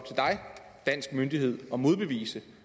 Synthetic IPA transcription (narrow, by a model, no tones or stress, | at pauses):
t͡sʰe̝d̥ɑ̈ɪd̥æn̰sɡ̥mønd̥iɦe̝ð̰ˠɒ̽mo̝ð̞ˠb̥e̝ʋḭːsə